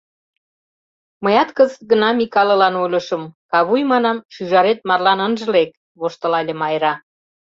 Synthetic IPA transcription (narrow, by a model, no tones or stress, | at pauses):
məjɑt̪kəzət̪̚ɡənɑmikɑlɤ̆lɑnolʲə̆ʃə̆mkɑβujmɑnɑmʃyʒɑɾet̪̚mɑrlɑnənʒə̆lek̚ | βoʃt̪əlɑlʲemɑjɾɑ